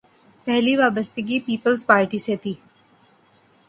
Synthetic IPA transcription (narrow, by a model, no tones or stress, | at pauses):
pɛɦliʋaːbəst̪əɡipiːpəlzpaːɾʈiset̪iː